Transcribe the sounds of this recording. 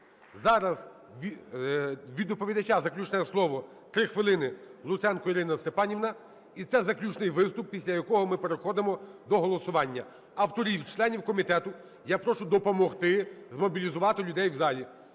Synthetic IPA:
zɑɾɐz | ʋʲ | ʋʲid̪ɔpɔʋʲid̪ɐt͡ʃazɐklʲut͡ʃnɛɛslˠɔʋɔ | t̪ɾɪxʋɪlˠɪnɪlˠʊt̪sɛnkɔiɾɪnɐst̪epɑnʲiʋnɐ | it̪sɛzɐklʲut͡ʃnɪjʋɪst̪ʊp̚ːʲisʲlʲɐjɐkɔɦɔmɪpeɾexɔd̪emɔd̪ɔɦɔlˠɔsʊʋɑnʲːɐ | ɐwt̪ɔɾʲiwt͡ʃlˠɛnʲiwkɔmʲit̪ɛt̪ʊ | japɾɔʃʊd̪ɔpɔmɔxt̪ɪzmɔbʲilʲizʊʋɑt̪ɪlʲʊd̪ɛjwzɑlʲi

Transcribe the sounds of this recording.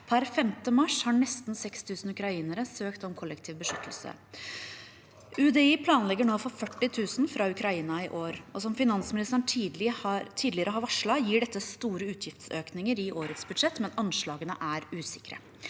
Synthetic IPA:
pʰæɾfɛmt̪əmɑʂhɑːɳɛst̪nsɛkst̪ʰʉːsn̩ʉkɾɑiːnəɾəsøːkt̪ɔmkʰɔlːɛkt̪ʰiːʋbəʂʏt̪ʰəl̩sə̰ | ʉd̪ɛiːpʰlɑːnlɛɡːəɳoːfɔɾfœʈːɪt̪ʰʉːsn̩fɾɑʉkɾɑiːnɑɪʔoːɾɔsɔmfɪnɑnsmɪnɪst̪əɳʈ̪ʰːɪt̪ʰiːd̪lɪəɾəɦɑɾʋɑʂɭɑjiːɖɛt̪ːəst̪uːɾəʉːt̪ʰjɪft̪søːknɪŋəɾɪʔoːɾət̪sbʉd̪ʂɛt̪ːmɛnɑnʂɭɑːɡənəʔæɾʉːsɪkɾə̰

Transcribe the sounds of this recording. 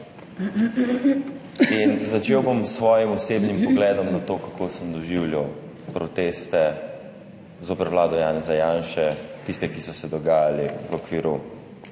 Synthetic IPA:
inzat͡ʃewbomsʋɔːjimɔseːbnimpɔɡlɛːd̪ɔmnat̪oːkakʰosənd̪ɔʒiwljaw | pɾɔt̪eːst̪ɛ | zoːpɛɾʋlaːd̪ɔjaːnɛzajanʃɛt̪ist̪ɛkisɔsɛd̪ɔɡaːjaliʋokʋiːɾu

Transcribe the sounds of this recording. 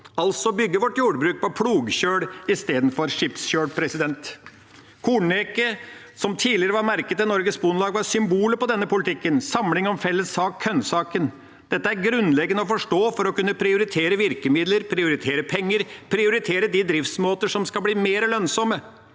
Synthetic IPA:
ɑlsɔbʏɡːəʋɔʈːjuːɖbɾʉːk̚pʰɔpʰɽuːɡçøːɽɪst̪eːd̪n̩fɔɾʂɪpsçøːɽpʰɾɛsɪd̪ɛnt̪ | kʰuːɳeːkə | sɔmt̪ʰiːlɪəɾəʋɑɾmæɾkət̪ɛnɔɾɡəsbʊnlɑːɡʋɑɾsʏmbuːləpɔd̪ɛnːəpʊlɪt̪ʰɪkːənsɑmlɪŋɔmfɛlːəsɑːkʰœnsɑːkən | d̪̥ɛt̪ːəæɾɡɾʉnlɛɡːənəɔfɔʂʈoːfɔɾɔkʉnːəpʰɾɪʊɾɪt̪ʰeːɾəʋɪɾkəmɪd̪ləɾpʰɾɪʊɾɪt̪ʰeːɾəpʰɛŋːəɾpʰɾɪʊɾɪt̪ʰeːɾəd̪id̪ɾɪft̪smoːt̪əʂɔmskɑlbliːmeːɾlœnsɔmə

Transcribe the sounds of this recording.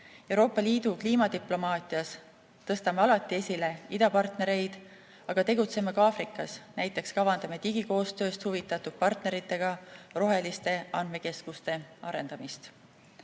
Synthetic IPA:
e̞wɾo̞ːpːˑɑliːd̪̥ukliːmɑt̪iplo̞mɑːt̪ˑiɑs | t̪ɤst̪ɑmeɑlɑt̪ːˑie̞sʲile̞id̪ɑpɑrt̪ne̞ɾe̞jd̪̥ | ɑɡ̥ɑt̪e̞ɡ̥ut̪se̞mekɑːfɾikːˑɑsnæjt̪ːˑe̞kskɑvɑnd̪̥ɑme̞t̪iɡiko̞ːst̪ø̞ːst̪huvit̪ːˑɑt̪ːud̪̥̚pɑrt̪ne̞ɾit̪ˑːe̞ɡ̥ɑro̞ɦe̞list̪e̞ɑnd̪me̞ke̞skust̪e̞ɑɾe̞̰nd̪̥ɑmist̪

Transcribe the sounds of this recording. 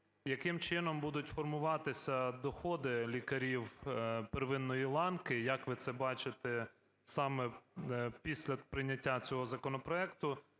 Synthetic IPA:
jɐkɪmt͡ʃɪn̪ɔmbud̪ʊtʲfɔrmʊʋɑt̪ɪsʲɐd̪ɔxɔd̪ɪlʲikɐɾʲiwpeɾʋɪnːɔjilˠɑnkɪjɐkʋɪt̪sɛbɑt͡ʃɪt̪ɛ | sɑmɛ | pʲisʲlʲɐpɾɪnʲɐtʲːat͡sʲɔɦɔzɐkɔnɔpɾɔɛkt̪ʊ

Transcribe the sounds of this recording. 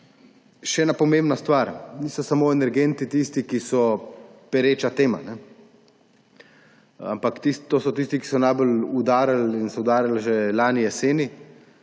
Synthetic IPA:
ʃɛɛːnapɔmembnast̪ʋaɾniːsɔsamoːɛnɛɾɡeːnt̪it̪ist̪ikisɔpɛɾeːt͡ʃat̪eːma̰nɛ | a̰mpakt̪ist̪oːsɔt̪ist̪iki̥sɔnajbəlud̪aːɾalinsɔud̪aːɾalʒelaːnijɛseːni

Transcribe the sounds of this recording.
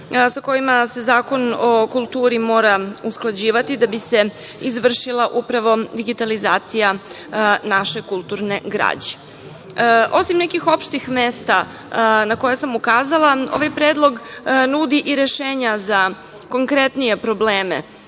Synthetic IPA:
sako̞jimase̞zaːko̞nokulˠt̪uːɾimo̞ːɾausklˠad͡ʑiːʋat̪id̪abise̞ | izʋr̩ʃilˠaʔupɾaʋo̞d̪iɡit̪alizaːt̪sija | naʃe̞kulˠt̪uɾneɡɾa̰ːd͡ʑe̥ | ʔo̞simnekixo̞pʃt̪ixmeːst̪a | nako̞jasamukaːzalˠao̞̰ʋajpɾeːd̪lˠo̞ɡnud̪iʔiɾeʃeːɲaza | ko̞ŋkɾet̪nije̞pɾo̞bleːmḛ

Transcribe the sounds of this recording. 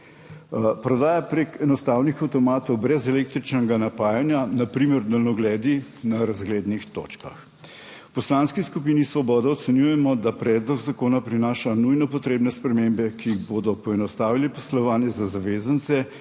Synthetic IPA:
pɾɔd̪aːjapɾekɛnɔst̪aːwnixawt̪ɔmaːt̪ɔwbɾɛzɛlek̚t̪ɾit͡ʃnɛɡanapaːjanjanapɾiməɾd̪ɐlnɔɡlɛːd̪inaɾazɡleːd̪nixt̪o̰ːt͡ʃka̰x | pɔslanskiskup̬iːnisʋɔbɔːd̪aɔt̪sɛnjujɛmɔd̪apɾɛːd̪lɔɡzakoːnapɾinaːʃanujnɔpɔt̪ɾeːbnɛspɾɛmeːmbɛkiiɣboːd̪ɔpɔɛnɔst̪aːʋilipɔslɔʋaːnjɛzazaʋeːzənt̪sɛ

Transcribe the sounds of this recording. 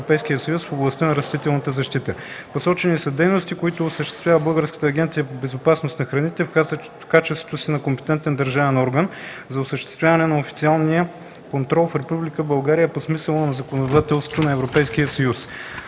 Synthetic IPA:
opɛjskʲijəsəjusfoblˠɐst̪ənɐɾɐst̪it̪ɛlˠnət̪əzɐʃt̪it̪əposɔt͡ʃɛnisɐd̪ɛjnost̪ikoit̪oːsəʃt̪ɛ̥st̪vʲavəbɤlˠɡəɾskə̥t̪əːɡʲɛnt̪sijəpobɛzopasnost̪nɐxɾɐnit̪ɛfaz | kat͡ʃɛst̪vo̥t̪osinɐkompɛ̥t̪ɛnt̪ɛnd̪ɐɾʒavɛnɔɾɡənzɐʊsəʃt̪ɛ̥st̪vʲjavɐnɛnɐofit̪sialˠnijə | kont̪ɾɔlˠfɾɛpublikəbɐlˠɡaɾijəposmisəlˠonɐzɐkonod̪at̪ɛlˠst̪vo̥t̪onɐɛvɾopɛjsk̟ijəsɐjus

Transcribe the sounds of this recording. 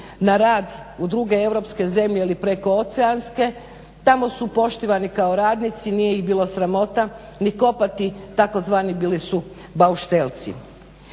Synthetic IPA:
naɾaːd̪ud̪ɾuɡe̞e̞ʋɾo̞pske̞ze̞mʎeilipɾe̞ko̞ot̪seanske̞ | t̪amo̞supo̞ʃt̪iʋanikaoɾaːd̪nit̪sinijeiɣbiːlˠosɾamo̞t̪a | niko̞pat̪it̪ako̞zʋaːnibiːlisu | bauʃt̪elt̪sḭ

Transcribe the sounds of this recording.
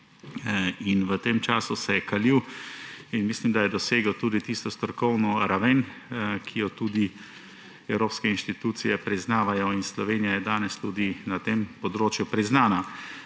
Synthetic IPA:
inʋət̪eːmt͡ʃaːsusɛjɛkaliːw | inmislimd̪ajɛd̪ɔseːɡɔwt̪uːd̪it̪ist̪ɔst̪ɔkɔwnɔɾaʋeːnkʰijɔt̪uːd̪i | ɛwɾoːpskɛinʃt̪it̪uːt̪sijɛpɾiznaːʋajɔinslɔʋeːnijajɛd̪aːnɛst̪uːd̪inat̪empɔd̪ɾoːt͡ʃjupɾiznaːna

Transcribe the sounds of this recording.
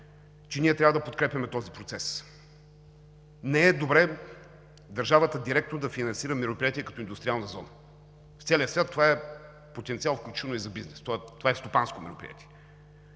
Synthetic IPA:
t͡ʃɛniɛt̪ɾʲavəd̪ɐpot̪kɾɛpʲɐmɛt̪ɔzipɾot̪sɛs | nɛɛd̪obɾɛ | d̪ɐɾʒavət̪əd̪iɾɛkt̪nod̪ɐfinɐnsiɾəmɛɾopɾiat̪ʲiɛkɐt̪ɔind̪ʊst̪ɾialˠnəəzɔnə | ft̪sɛlʲiəsvʲjat̪ːovaɛ | pot̪ɛnt̪sialˠfklʲut͡ʃi̥vənʊizɐbiznɛst̪t̪ovaɛst̪opanskomɛ̰ɾo̰pɾʲḭa̰t̪i̥ɛ

